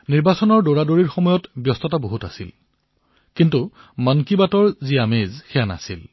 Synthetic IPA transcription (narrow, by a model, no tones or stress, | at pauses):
niɹbasɔnɔɹdoɹadoɹiɹxɔmɔjɔtbjɔstɔtaboɦuta̰sḭl | kintu | mankibatɔɹziamezxɛjana̰sil